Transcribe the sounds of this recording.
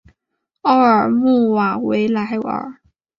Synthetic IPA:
o˥ʊə˞˨˩mu˥˩wa˨˩we˧˥ɪla˧˥ɪə̰˨˩˦

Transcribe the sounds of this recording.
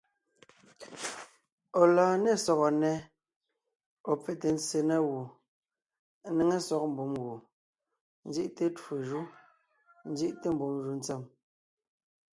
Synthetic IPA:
ɔ˨laː˨nɛ˦˨sɔ˨ɣɔ˨nɛ˨˦ | ɔ˨p͡fe˨te˨n̩˦t͡se˨nɛ˦ɣu˨˦ | ne˦ŋe˦sɔ˦k̚m̩˨bu˨˦mɣu˨ | n̩˦˨i˦ʔte˦twu˨ʒu˦ | n̩˦d͡zi˦ʔte˦m̩˨bu˨˦mʒu˨˦n̩˦t͡se˦˨m

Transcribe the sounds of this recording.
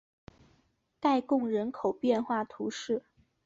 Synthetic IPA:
t̪a˥˧ɪkʊ˥˩ŋɻə˧˥nkʰo˨˩ʊpjɛ˥˧nxwa˥˩t̪ʰu˧˥ʂɻ̩˥˩

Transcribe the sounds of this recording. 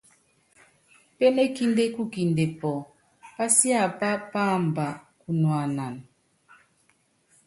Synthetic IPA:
pe˦ne˦ki˦nde˦ku˦ki˨nde˨pɔ˨ | pa˦si˦a˦˨pa˦pa˦˨m˨ba˨ku˨nwa˨na˨n

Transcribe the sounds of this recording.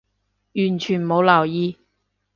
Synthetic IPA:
jyː˨˩nt͡ʃʰyː˨˩n˨mo˨˧wlɐ˨˩wjiː˨˧

